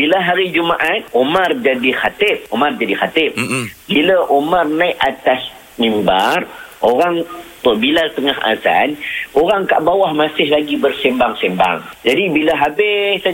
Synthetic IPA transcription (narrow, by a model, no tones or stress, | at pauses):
bilaɦaɾid͡ʒumaʔat̪̚omard͡ʒadixat̪ɪp̚omard͡ʒadixat̪ɪp̚biləʔomarnajʔat̪as | mimbarʔoɾaŋt̪ɔbilat̪əŋaɦa̰za̰noɾaŋka̰ʔbawahmasɪhlaɡibərsɛmbaŋsɛmba̰ŋd͡ʒadibiləɦabɪsa